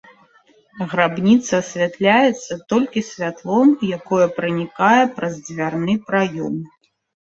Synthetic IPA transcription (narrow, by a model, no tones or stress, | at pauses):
ɣɾabnʲit̪sɐːsʲvʲat̪lʲajɛt̪sːɐt̪ɔlʲkʲisʲvʲat̪lˠɔmjakɔjɐpɾɨnʲikajɛpɾɐzd͡zʲvʲarnɨpɾajɔm